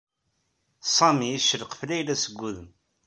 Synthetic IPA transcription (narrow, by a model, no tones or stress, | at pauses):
sˤɑmiiʃəɾqflæjlæsəɡːuðəm